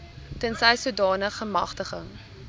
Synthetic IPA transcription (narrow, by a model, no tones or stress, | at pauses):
tənsɛjsuədɑːnəχəmɐ̰χtəχəŋ